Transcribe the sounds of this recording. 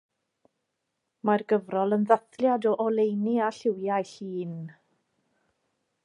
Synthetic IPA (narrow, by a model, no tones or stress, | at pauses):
marɡəvrɔlˠənðaθljadɔʔɔlˠejniaɬɪwjajɬiːn